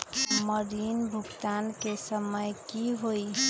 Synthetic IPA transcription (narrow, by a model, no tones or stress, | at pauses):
məɾiːnbʱʊɡt̪ankesəməjkiɦoi